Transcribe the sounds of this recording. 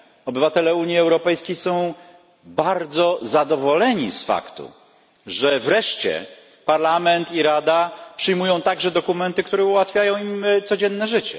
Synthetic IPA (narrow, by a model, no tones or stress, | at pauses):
ɔbɘvat̪ɛlɛuɲiɛwɾɔpɛjskʲejsɔ̃w̃ | baɾd̪zɔzad̪ɔvɔlɛɲisfa̰kt̪ṵ | ʐɛvɾɛʂt͡ɕɛ̰ | paɾlamɛnt̪iɾad̪apʂɘjmujɔ̃w̃t̪aɡʐɛd̪ɔkumɛnt̪ɘkt̪uɾɛuwat̪fʲjajɔ̃w̃imt̪sɔd͡ʑɛnːɛʐɘt͡ɕɛ̰